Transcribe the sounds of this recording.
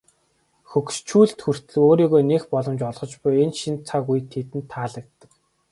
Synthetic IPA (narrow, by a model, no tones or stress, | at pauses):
xɵkst͡ɕʰuːɮt̪xur̥t̪ɘ̆ɮɘ̆oːɾiːɣoːnexpɔɮɞ̆mt͡ɕɔɮʁ̥ɞ̆t͡ɕpʊjenʃint͡sʰakujt̪ʰet̪ɘ̆nt̪ʰːaːɮə̆k̚t̪ːə̥̆k